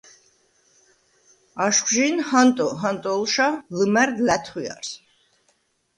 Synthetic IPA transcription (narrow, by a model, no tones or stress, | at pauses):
aʃχʒinhant̪ʼɔɦant̪ʼɔlˠʃalɨmɛɾd̪læt̪ʰχwia̰ɾs